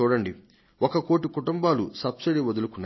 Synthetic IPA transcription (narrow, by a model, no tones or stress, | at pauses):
uːɽɐɳɖi | ʔɔkɐko̞ːʈ̬ikuʈumbaːlusɐbsiɖiʋɐd̪ulukunː